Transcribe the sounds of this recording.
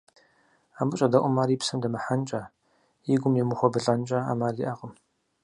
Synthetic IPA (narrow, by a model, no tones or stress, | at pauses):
aːmɨɕʼɐdɐʔʷʼʊmaːripsɐmdɐmɐħant͡ʃʼaː | jiɡʷʊmjɛmɨxʷɔbɨɬʼɐnt͡ʃʼaa̰ːmaːriʔaqʼəm